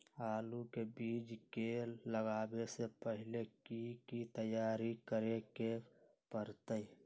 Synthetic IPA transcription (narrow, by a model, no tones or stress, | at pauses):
aːlukebiːd͡ʒkeləɡaːbesepəɦɪlekikit̪əjaːɾikəɾeke | pəɾt̪əi